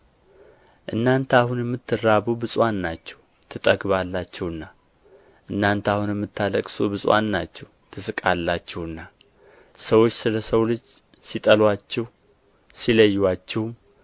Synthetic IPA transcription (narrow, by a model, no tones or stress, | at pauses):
ʔɨnːant̪ʰahunjɛmːɨt̪ʰːɨrːabubɨsʼwanːat͡ʃːɛw | t̪ʰɨt̪ʼəɡβalːat͡ʃːɛwɨnːa | ʔɨnːant̪ahunjɛmːɨt̪ːaləkʼsobɨsʼwa̰nːat͡ʃːɛw | t̪ʰɨsɨkʼalːat͡ʃːɛhɨnːa | səwo̞t͡ʃːsɨləsəwlɨd͡ʒ | sit̪ʼəlwat͡ʃːɛw | siləjːwat͡ʃːɛhm